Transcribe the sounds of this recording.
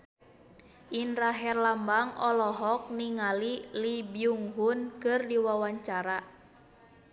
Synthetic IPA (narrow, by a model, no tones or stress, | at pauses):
ʔinraɦɛrlambaŋɔlɔɦɔk̚niŋalilibiuŋɦunkɨrdiwawaɲt͡ʃaɾa